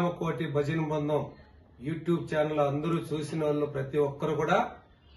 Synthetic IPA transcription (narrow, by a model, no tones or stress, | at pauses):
mɐkoːʈibʱɐd͡ʒɐnɐbɐnd̪ɐm | juːʈjuːbt͡ʃaːnɐlɐnd̪ɐɾuːt͡ʃuːsinɐʋɐɭːoːpɾɐt̪iʋɔkːɐɾukuːɽaː